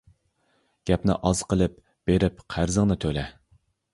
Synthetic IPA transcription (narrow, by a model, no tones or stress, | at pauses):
ɡ̥ʲɛpnɪ̰ʔɑzqʰəlˠɨp̚ | b̥eɾɪpqʰæɾzəŋnɨt̪ʰølɛ